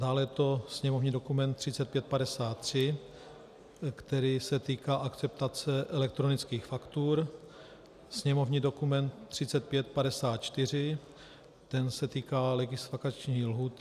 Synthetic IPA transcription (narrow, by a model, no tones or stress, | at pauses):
daːlɛjɛt̪o̞sɲɛmovɲiːdokumɛnt̪ːr̝̥ɪt͡sɛt̪̚pjɛt̪̚padɛsaːt̪ːr̝̥ɪ | kt̪ɛɾiːsɛt̪iːkaːʔakt͡sɛp̚t̪at͡sɛʔɛlɛk̚t̪ɾo̞nɪt͡skiːxfakt̪uːɾ | sɲɛmo̞vɲiːdo̞kumɛnt̪ːr̝̥ɪt͡sɛt̪̚pjɛt̪̚padɛsaːt̪̚t͡ʃt̪ɪr̝ɪ | t̪ɛnsɛt̪iːkaːlɛɡɪslakat͡ʃɲiːlɦuːt̪